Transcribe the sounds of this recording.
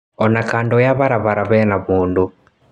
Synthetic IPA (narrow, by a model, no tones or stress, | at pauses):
ɔnakaːndojaβaɾaβaɾaβɛnaβuːndu